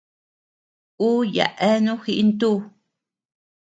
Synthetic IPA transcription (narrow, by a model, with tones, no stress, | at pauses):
u˦ja̰˨ʔɛ˦nũ˦xi˧ʔi˦nt̪u˦